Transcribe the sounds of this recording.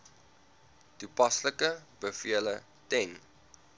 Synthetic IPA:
tupɐsləkəbəfiələ | tɛn

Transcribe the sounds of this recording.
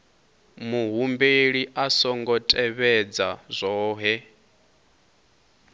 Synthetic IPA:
muɦumbeɺiʔasɔŋɡɔtʼɛβɛd͡zazʷɔːɦɛ

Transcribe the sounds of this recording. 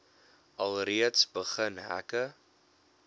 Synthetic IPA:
ʔɐlˠriətsbəχənɦæ̰kə

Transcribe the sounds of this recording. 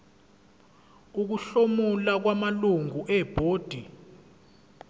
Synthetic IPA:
uk̬uɬomulak̬wamaluŋuʔɛb̥ʱoːd̥ʱi

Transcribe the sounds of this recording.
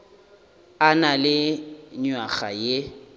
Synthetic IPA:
analɪɲwaɣa̰je

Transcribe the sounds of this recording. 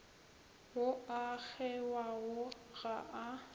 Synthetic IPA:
ʊak͡xʰɛwaɣʊɣaʔa

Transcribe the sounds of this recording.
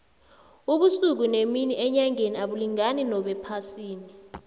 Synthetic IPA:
uɓusuk̬uneminiʔɛɲaŋeniaɓuliŋaninɔɓɛpʰasiːni

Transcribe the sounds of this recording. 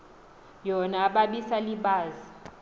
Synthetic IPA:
jɔnaːɓaɓisaliɓaːzi

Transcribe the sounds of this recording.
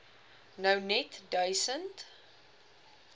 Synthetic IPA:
nəwnɛtdœjsənt

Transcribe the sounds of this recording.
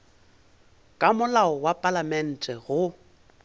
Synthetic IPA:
kʼamʊlaɔwapʼalamɛn̩tʼɛɣʊ

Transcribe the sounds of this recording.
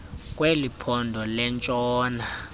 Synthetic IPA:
kʼwelipʰɔndʱɔlɛnt͡ʃʼɔːna

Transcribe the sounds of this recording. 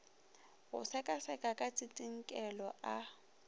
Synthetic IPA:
ɣʊ̰sɛkʼasɛkʼakʼat͡sʼitʼiŋ̩kʼɛlɔʔa

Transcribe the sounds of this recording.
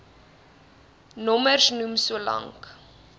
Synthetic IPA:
nɔmərsnumsuəlɐ̰ŋk

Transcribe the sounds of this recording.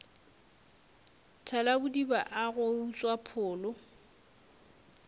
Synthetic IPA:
tʰalabʊdibaʔaɣʊut͡sʼwapʰʊːlʊ

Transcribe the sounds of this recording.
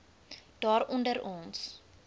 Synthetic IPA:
d̥ɑːɾɔndəɾɔns

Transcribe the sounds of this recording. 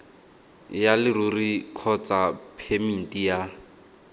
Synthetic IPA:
jalɪrurikʰɔt͡sapʰemin̩tija

